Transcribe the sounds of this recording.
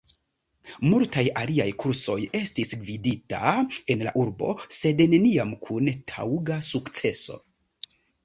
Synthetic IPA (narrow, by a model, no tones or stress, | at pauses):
multajaliajkʰuɾso̞je̞stisvidita̰e̞nla̰ʔuɾbo̞̰se̞dne̞niamkʰuntʰa̰wɡasukt͡se̞so̞̰